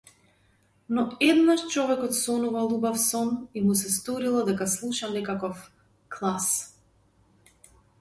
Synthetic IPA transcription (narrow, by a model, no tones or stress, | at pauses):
nɔɛd̪naʃt͡ʃɔvɛkɔt̪sɔnuvalˠubafsɔmimusɛst̪ɔɾilˠɔd̪ɛkaslˠuʃanɛkakɔf | klˠas